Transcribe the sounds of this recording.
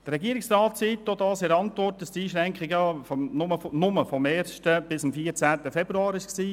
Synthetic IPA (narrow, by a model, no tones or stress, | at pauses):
d̥̪ɾɛɡiəɾɪksɾɑːtt͡sit̪dod̪ɑːsɪɾɑntʋɔrtəstiːʃɾɛŋkχɪɡəfɔnʊmənʊməfɔmɛːɾʃtəb̥ɪsəmfiːəɾt͡sæːt̪əfɛbɾuɑːɾɪʃksiː